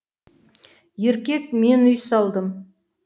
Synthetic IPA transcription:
jeɾkʲe̞kme̞nʏjsɑlˠd̪əm

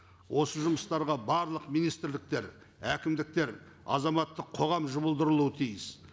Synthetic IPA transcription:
wʔo̞səʒʊməst̪ɑɾʁɑbɑɾlˠəqmijnijst̪ɪɾlɪk̚t̪e̞ɾ | ækʲɪmd̪ɪk̚t̪e̞ɾ | ɑ̰zɑmɑt̪ːəqʰo̞ʁɑmʒʊβəlˠd̪əɾəlˠuət̪ʰijɪs

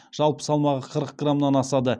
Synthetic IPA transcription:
ʒ̥ɑlˠpə̥sɑlˠmɑʁəqʰəɾəq̚ɡramnɑnɑsɑd̪ə

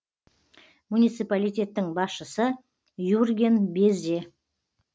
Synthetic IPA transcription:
munijt̪sɨjpalijt̪ʲe̞t̪ːɪŋbɑsʃəsə | jurɡʲenbeze̞

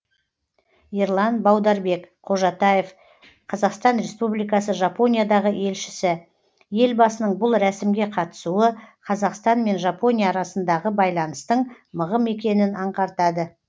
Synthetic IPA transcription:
iɾlˠɑnbɑwd̪ɑɾbe̞kqʰo̞ʒɑt̪ɑjef | qʰɑzɑqst̪ɑnɾe̞spublijkɑsəʒapo̞nʲijad̪ɑʁəʔe̞lʃɪ̥sɪ | je̞lbɑsənəɴbʊlˠɾæsɪmɡʲe̞qʰɑt̪ə̥suəqʰɑzɑqst̪ɑnme̞nʒɑpo̞nʲijaːɾɑsənd̪ɑʁəbɑjlˠɑnəst̪əɴ | məʁəme̞kʲe̞nɪnɑɴqɑɾt̪ɑd̪ə

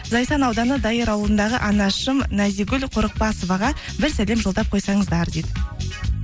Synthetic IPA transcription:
zɑjsɑnɑwd̪ɑnəd̪ɑjəɾɑwlˠənd̪ɑʁəʔɑnɑʃəmnæziɡʲʏlʲqʰʊɾəq̚pɑsəvɑʁɑ | bɪɾsæle̞mʒolˠd̪ɑp̚qʰo̞jsɑɴəzd̪ɑɾd̪ed̪ɪ

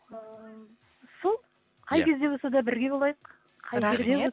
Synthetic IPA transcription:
solˠ | qʰɑjkʲʰe̞zd̪e̞bo̞sɑd̪ɑbɪɾɡʲe̞bolˠɑjəqʰː | ɑjʲeɾd̪e̞wo

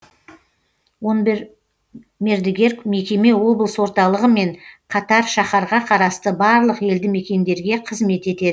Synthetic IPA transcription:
won | me̞ɾd̪eɡʲe̞ɾkme̞kʲe̞me̞wo̞blˠəswo̞ɾt̪ɑlˠəʁəme̞ɴqʰɑt̪ɑɾʃɑχɑɾʁɑqʰɑɾɑst̪əbɑɾlˠəqe̞ld̪ɪme̞kʲe̞nd̪e̞ɾɡʲe̞qʰəzme̞t̪e̞t̪e̞d̪ɪ

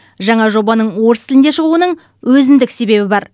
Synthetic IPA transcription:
ʒɑɴɑʒo̞bɑnəɴwo̞ɾst̪ʰɪlɪnd̪eʃəʁuənəɴ | wɵzɪnd̪ɪkse̞be̞bɪbɑɾ

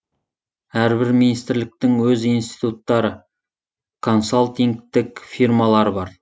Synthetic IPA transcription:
æɾbɪɾminist̪ɪɾlɪk̚t̪ɪŋwɵzijnst̪i̥t̪ut̪ːɑɾə | kʰo̞nsalˠt̪iŋk̚t̪ɪkfirmɑlˠɑɾəbɑɾ

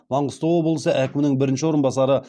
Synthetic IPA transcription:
mɑɴəst̪owobəlˠəsəʔækʲɪmnɪŋbɪɾɪnʃɪwo̞ɾənbɑsɑɾə

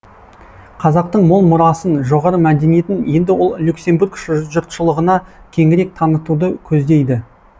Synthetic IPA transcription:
qʰɑzɑq̚t̪əɴmʊlˠmʊɾɑsənʒo̞ʁɑɾəmæd̪e̞nije̞t̪ɪnje̞nd̪ɪwo̞lˠlʲukse̞mbuɾkʃʒʒʊɾt̪ʃəlˠəʁənɑkʲʰe̞ŋɪɾe̞k̚t̪ʰɑnət̪ud̪əkʲʰɵzd̪e̞jd̪ɪ

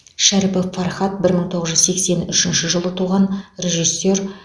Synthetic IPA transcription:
ʃæɾpɪfɑrχɑt̪̚bɪɾməɴt̪ʰo̞ʁəzʒʏzse̞kse̞nʏʃɪnʃɪʒəlˠət̪ʰuʁɑnre̞ʒijsːe̞r

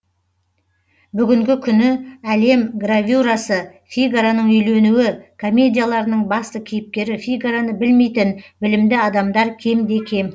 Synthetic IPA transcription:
bʏɡʲɪŋɡʲɪkʲʰʏnɪæle̞mɡravʲuɾasə | fʲijɡɾanəɴʏjle̞nuɪkʰo̞mʲːe̞d̪ʲijalˠɑɾənəɴbɑst̪əkʲʰejɪp̚kʲe̞ɾɪfʲijɡaɾanəbɪlme̞jt̪ɪnbɪlɪmd̪ɪɑd̪ɑmd̪ɑɾkʲʰe̞md̪e̞kʲʰe̞m

